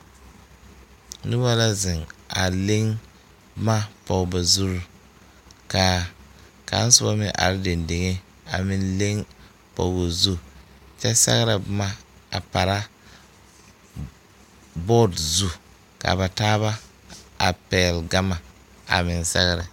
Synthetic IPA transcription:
nʊ˦ba˦la˦zɪ˨ŋa˨le˦ŋ | bma˦pɔ˨ɡba˨zu˦ɾ | ka˨ | ka̰˨˦n˦sʊ˦ba˦mɪ˦ʔa̰˨ɾɪ˦de˨nde˨ŋe˦ | a˨mɪ˦nle˦ŋ | pɔ̰˨ɡo˨zu˦ | t͡ʃɛ˦sɛ̰˦ɣɾa˨bma˦a˨pa˨ɾa˦ | bɔː˦dzu˦ | ka̰˨ba˨taː˦βa˦ | a˨pɛː˨lɡa˦ma˨ | a̰˨mɪ˨nsɛ̰˦ɣɾɪ˨

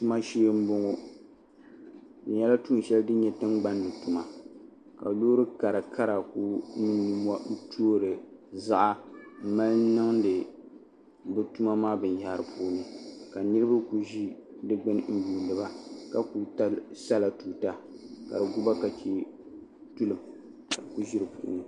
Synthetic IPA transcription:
tu˦ma˦ʃi˦m̩˦bo˦ŋo˦ | dɨ˨ɲɛ˦la˦tu˦˨ʃɛ˦ldɨ˦ɲɛ˨tɨ˦ŋɡ͡ba˦n˦dɨ˨tu˨ma˨ | ka̰˨loː˦ɾɨ˦ka˨ɾɨ˨kʰa˦ɾa˨ku˦ni˦ni˨m˦a˦tʰoː˦ɾɨ˨za˦ʔa˦m̩˦ma˦lnɨ˦ŋdɨ˨ | bɨ˦tu˦ma˦maː˦bɨ˨n˨ja˦ɾɨ˨pʰoː˦nɨ˦ka˨nɨ˦ɾɨ˦ba˦ku˨ʒi˦dɨ˦ɡ͡bɨ˦n˦n̩˦juː˨lɨ˨ba˦ka˨ku˨ta˦sa˦la˨tu˨ta˦ka̰˨dɨ˨ɡu˦ba˦ka˨t͡ʃi˦ | tu˦lɨ˨m | a˨ku˦ʒi˦ɾɨ˨pṵ˦ʔʊ̰˦nɨ˦

